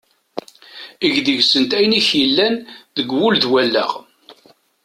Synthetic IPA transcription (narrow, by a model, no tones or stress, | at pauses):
əʝðiʝsənt̪æjniçjilːænðəɡwulðwælːæ̰ʁ